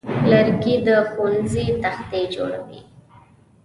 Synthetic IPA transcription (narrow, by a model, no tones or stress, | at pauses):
laɾɡid̪əxunzit̪axt̪ed͡ʒo̰ɽa̰wḭ